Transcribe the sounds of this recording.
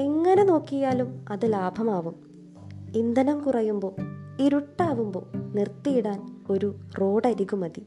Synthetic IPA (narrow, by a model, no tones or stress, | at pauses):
eŋːɐne̞no̞ːkːijaːlumɐðɨlaːbʱɐmaːʋum | ind̪ɐnɐmkurɐjumbo̞ːiɾuʈːaːʋumbo̞̰ːnirt̪ːijiɽaːno̞ɾuro̞ːɽɐɾikːumɐði